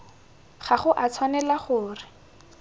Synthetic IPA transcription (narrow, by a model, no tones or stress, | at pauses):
χaχʊʔat͡sʰwanɛlaχʊːrɪ